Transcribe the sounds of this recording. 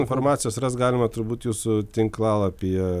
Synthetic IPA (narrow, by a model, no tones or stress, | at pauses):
ɪnfoːrmɑːt̪sʲɪjoːsrɐst̪̚ɡɑːlʲɪmɐt̪ʊɾbuːt̪juːsʊt̪ʲɪŋklˠɑlˠɐpʲiɛ